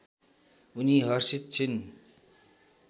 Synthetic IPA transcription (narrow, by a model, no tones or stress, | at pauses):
uniɦʌrsit̪̚t͡sʰin